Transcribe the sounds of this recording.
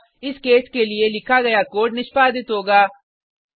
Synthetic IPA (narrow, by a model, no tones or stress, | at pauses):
ɪskeːskelielɪkʰaɡɐjakoːʈnɪʃpaːd̪ɪt̪ɦoːɡaː